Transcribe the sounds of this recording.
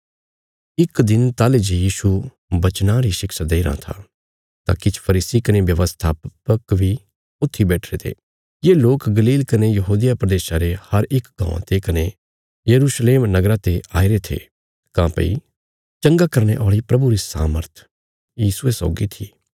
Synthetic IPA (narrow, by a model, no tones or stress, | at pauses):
ɪkd̪ɪnt̪aːled͡ʒejiːʃu | bɐt͡ʃnãɾiʃɪkʃad̪eːiɾã̰t̪ʰa̰ | t̪a̰ːkɪt͡ʃʰpʰɐɾiːsikɐnebjɐʋəst̪ʰaːpəkbʱi | ʊt̪ʰːibɛːʈʰɾet̪ʰḛː | jeːloːkɡɐliːlkɐnejɐɦuːd̪ijapɾɐd̪eːʃaɾehɐɾɪkɡã̰ːã̰t̪ekɐne | jɐɾuʃleːmnɐɡɾat̪eaːiɾet̪ʰḛ | kãːpɐ̰ḭ | t͡ʃɐ̃ŋɡakɐɾñḛʔɔːɭipɾɐbuɾisa̰ːməɾt̪ʰ | jiːsuesɔ̰ːɡit̪ʰiː